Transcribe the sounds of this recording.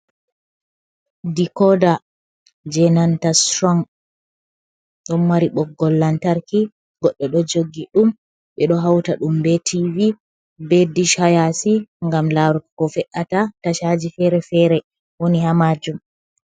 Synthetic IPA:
dikɔda | d͡ʒɛnantasɾɔŋ | ɗɔnmaɾiɓɔɡːɔlːantaɾki | ɡɔɗːɛɗɔd͡ʒoɡːiɗum | ɓɛɗɔɦawtaɗumbɛtʰivi | bediʃhajasiŋɡamlaɾukkɔfɛʔatataʃad͡ʒifɛɾɛfɛɾɛ | wonihamad͡ʒum

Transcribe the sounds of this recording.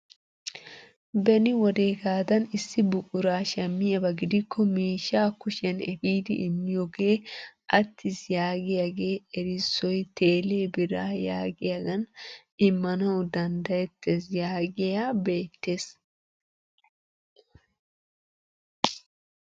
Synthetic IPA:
bɛnɪwɔd̪e̞ːɡaːd̪ɐnɪsːɪbʊkʼʊɾaːʃɛmːɪjɐbɐɡɪd̪ɪkʰːɔmeːʃːaːkʊʃɛnɛfiːd̪ɪ̰ʔɪmːɪjoɡe̞ːʔɐt̪ʰːɪsjaːɡɪjaɡe̞ːɛɾɪsːɔjt̪e̞ːleːbɪɾaːjaːɡɪjaɡɐn | ɪmːɐnɐwd̪ɐnd̪ɐjɛt̪ːɛsjaːɡɪjaːbe̞ːt̪ːeːs

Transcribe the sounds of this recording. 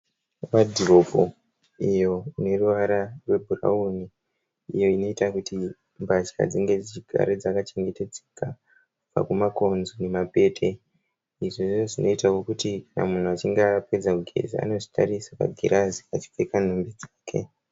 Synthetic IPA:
ʋadʱiro̞po | ijo̞ine̞ruʋaɾarwe̞bʱura̰uni | ḭjo̞ino̞itakutʰi | mbaʃa̰d͡ziŋɡe̞d͡zit͡ʃiɡʱa̰ɾed͡zakat͡ʃe̞ŋɡe̞te̞d͡zeka | kub͡va̰kumakonzonemape̞ːtʰe̞ | iʐeʐo̞ʐino̞itawokutikana̰mun̤uat͡ʃiŋɡape̞d͡zakuɡʱe̞̰zḭa̰no̞ʐi̥ta̰risaʋa̰ɡʱiɾaziat͡ʃi̥p͡fekan̤umbid͡zaːkʰe̞̰

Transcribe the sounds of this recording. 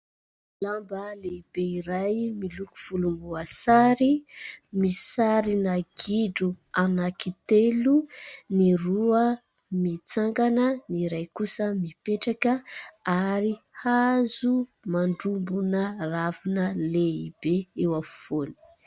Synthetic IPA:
lambəleibeiɾajmiluku̥v̥ulumbuasaɾimisaɾinaɡiɖ͡ʐuanakit̪eluniruə | mit͡saŋɡanəniɾajkusəmipeʈ͡ʂakəaɾihazumaɳɖ͡ʐumbunəravinəleibeewafoni̥

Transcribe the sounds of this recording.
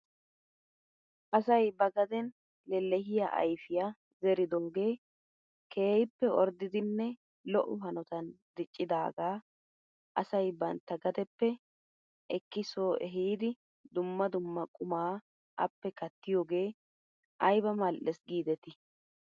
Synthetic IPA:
ʔɐsɐjbɐɡɐd̪ɛn | lɛlːɛɦɪjaʔɐ̰jfɪja | zɛɾɪd̪oːɡe̞ː | kʰe̞ːjɪpːɛɔɾd̪ɪd̪ɪnːɛ | lɔʔʊɦɐnɔt̪ɐnd̪ɪt͡ʃʼːɪd̪aːɡaː | ʔɐsɐjbɐnt̪ːɐɡɐd̪ɛpːɛ | ʔɛkːɪsoːɛɦiːd̪ɪ | d̪ʊmːɐd̪ʊmːɐkʼʊmaː | ʔɐ̰pːɛkɐt̪ːɪjoːɡe̞ː | ʔɐjbɐmɐlʔɛsɡiːd̪ɛt̪ɪ

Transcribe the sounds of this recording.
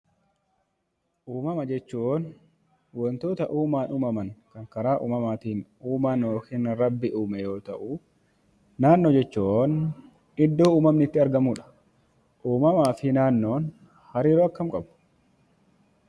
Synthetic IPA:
ʔuːmɐmɐd͡ʒɛt͡ʃːuːʔon | wɔnt̪o̞ːt̪ɐʔuːmaːnʊmɐmɐŋkɐŋkɐɾaːʔṵːmɐmaːt̪iːnuːmaːnoːkinɾɐbːɪʔuːmɛjo̞ːt̪ɐʔʊ | naːnːoːd͡ʒɛt͡ʃːuːʔon | ɪd̪ːoːuːmɐmnɪɪt̪ːɪɐɾɡɐmʊᶑɐ̥ | ʔuːmɐmaːfɪnaːnːo̞ːn | hɐɾiːɾoɐkːɐmkʼɐbʊ̥

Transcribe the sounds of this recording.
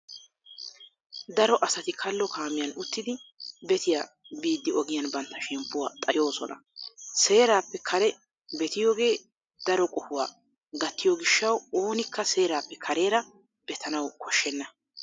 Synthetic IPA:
d̪ɐɾɔʔɐsɐt̪ɪkʰɐlːɔkaːmɪjɐnʊt̪ːɪd̪ɪbɛt̪ɪja | biːd̪ːɪɔɡɪjɐnbɐnt̪ːɐʃɛmpːʊwa̰ːt̪ʼɐjo̞ːsɔ̰nɐ̰se̞ːɾaːpːɛkʰɐɾɛ | bɛt̪ɪjoːɡe̞ː | d̪̥ɐɾɔkʼɔhʊwa̰ː | ɡɐt̪ːɪjoːɡɪʃːɐwo̞ːnɪkːɐse̞ːɾaːpːɛkʰɐɾe̞ːɾɐ | b̥ɛt̪ʰɐnɐwkʰɔʃːɛnːɐ

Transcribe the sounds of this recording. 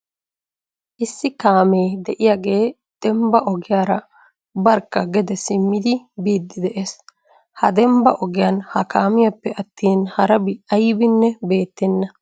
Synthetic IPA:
ʔɪsːɪkaːmeːd̪ɛʔɪjaːɡe̞ː | d̪̥ɛmbɐʔɔɡɪjaːɾɐ | bɐɾkːɐɡɛd̪ɛsɪmːɪd̪ɪbiːd̪ːɪd̪ɛʔes | hɐd̪ɛmbɐʔɔɡɪjɐnhɐkaːmɪjɐpːɛɐt̪ːiːnhɐɾɐbɪɐjbɪnːɛbe̞ːt̪ːɛnːɐ

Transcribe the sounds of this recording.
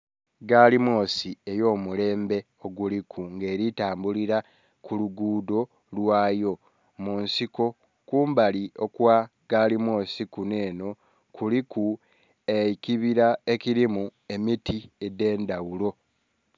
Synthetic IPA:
ɡalimo̞ːsiejo̞ːmule̞ːmbe̞ | o̞ɡulikʰuŋɡe̞ːɾitaːmbuliɾa | kuluɡuːdo̞ | lwaːjo̞ | munsiko̞ | kuːmbalio̞kwa | ɡalimo̞ːsikune̞ːno̞ | kuliku | eikiβiɾae̞kiɾimue̞mitiede̞ːndawulo̞

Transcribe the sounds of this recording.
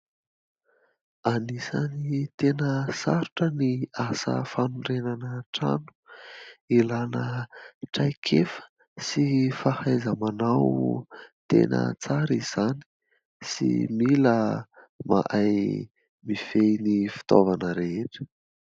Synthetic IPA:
anisanit̪enəsaɾuʈ͡ʂəniasə̰fanurenanəʈ͡ʂa̰nu̥ | ilanəʈ͡ʂajkʰefə̥ | sifahajzəmanaw | t̪ḛnʔə̰t͡saɾiz̥ani̥ | sḭmilə | ma̰ʔaj | mifenifi̥t̪ovanəɾeeʈ͡ʂə̥

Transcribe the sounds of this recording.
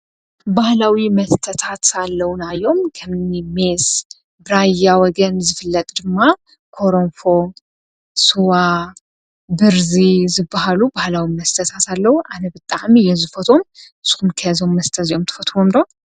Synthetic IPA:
bahlawimɐst̪ʰət̪ʰat̪alːɐwunajo̞mkʰɐmime̞s | bɨɾajawɔɡɐnzɨfɨlːɐt̪ʼd̪ɨmːa | kʰo̞ɾomfo̞ | suwa | bɨɾzizɨbːahalubahlawimɐst̪ʰɐt̪ʰat̪alːɐwuʔanɐbɨt̪ʼaʕmijɛzɨfɐt̪ʰo̞mɨsɨ̥xumkʰɐzo̞mːɐst̪ʰɐzio̞mt̪ʰɨ̥fɐt̪ʰwomd̪ow

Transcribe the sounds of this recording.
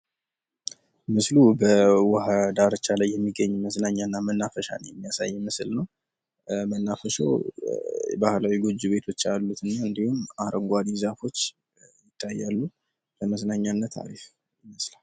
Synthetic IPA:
mɨslubəwəhad̪aɾt͡ʃalajːɛmːiɡəɲːməsnaɲːanːamənːafəʃa̰njɛmːijasa̰jːɛmɨsɨlnəw | mənːafəʃo̰w | bahlawiɡod͡ʒːuβe̞t̪ʰo̞t͡ʃːalːut̪ɨnːaɨnd̪ihumaɾəŋɡʷad̪izafo̞t͡ʃː | jɪt̪ʰːajːalːu | bəməsnaɲːanːət̪ʰːa̰ɾif | ɪməslal

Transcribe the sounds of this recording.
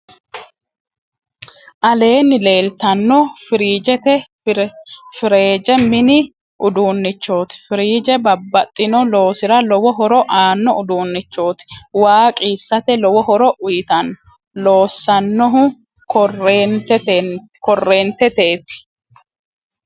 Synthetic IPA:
ʔɐle̞ːnːɪle̞ːlt̪ɐnːɔfɪɾiːd͡ʒɛt̪ɛ | fɪɾe̞ːd͡ʒɛmɪnɪ | ʔʊd̪uːnːɪt͡ʃːo̞ːt̪ɪ̥fɪɾiːd͡ʒɛbɐbːɐt̪ʼːɪnɔlo̞ːsɪɾɐlɔwɔɦɔɾɔʔaːnːɔʊd̪uːnːɪt͡ʃːo̞ːt̪ɪ̥waːkʼiːsːɐt̪ɛlɔwɔhɔɾɔʔʊjɪt̪ɐnːɔ | lo̞ːsːɐnːɔɦʊ | krɛ | kɔrːeːnt̪ɛt̪eːt̪ɪ̥

